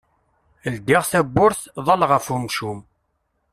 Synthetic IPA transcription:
əld̪iʁθæbːʊɾθðˤɑlʁəfumʃum

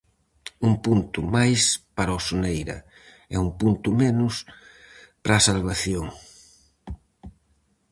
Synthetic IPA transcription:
umpunt̪ʊmajspaɾaosonejɾɐ̰ | ɛ̰umpunt̪ʊmɛnʊs | pɾaːsalβaθjoŋ

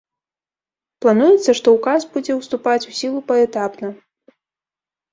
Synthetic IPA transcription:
plˠanujɛt̪sːɐʂt̪ɔukazbud͡zʲɛwst̪upat͡sʲusʲilˠupɐɛt̪apnɐ

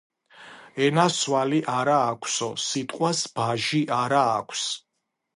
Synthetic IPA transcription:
ɛnaswaliʔaɾaːkʷʰsɔsit̪ʼqʼwasb̥aʒiʔaɾaːkʷʰs

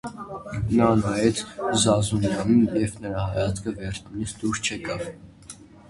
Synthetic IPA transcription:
nɑnɑjɛt͡sʰzɑzunjɑninjɛvnəɾɑhɑjɑt͡skʰəvɛɾt͡sʰnunisd̪uɾst͡ʃʰɛkɑv

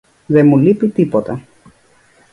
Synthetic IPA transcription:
ðemulipit̪ipot̪ɐ

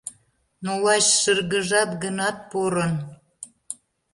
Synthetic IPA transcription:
nolɑt͡ɕʃərɣəʒɑt̪ɡənɑt̪̚poɾən

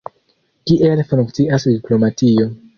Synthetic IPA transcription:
kiʔelfɾuŋk̚t͡siʔasdiplo̞matio̞

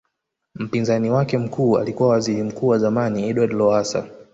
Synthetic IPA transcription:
m̩pinzaniwakɛm̩kuːa̰likuwawaziɾim̩kuːwazamaniɛɗwadlɔasa̰

